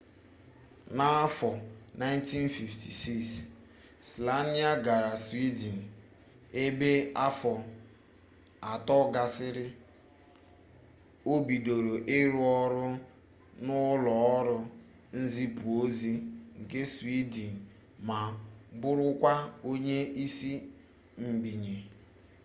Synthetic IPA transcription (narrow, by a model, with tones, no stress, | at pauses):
na˦a˦fɔ˨na˦jn˦ti˦n˦fi˨ftʰi˨si˦s | sla˦ni˦a˦ɡa˨ɾa˨swi˦di˨n̩˨ | e˦be˦a˦fɔ˨ | a˨tɔ˦ɡa˨sɪ˦ɾɪ˦ | o˦bi˨do˨ɾo˨ʔɪ˦ɾʊ˦ɔ˦ɾʊ˦ | nʊ˦lɔ˨ɔ˦ɾʊ˦ | n̩˦zi˦pu˨o˦zi˦ŋ̩˨ke˦si˦di˨n̩˨ | ma˨bʊ˦ɾʊ˦kʷa˦o˦ɲe˦ʔi˦si˦ | ŋ͡m̩˨ɡ͡bi˨ɲe˨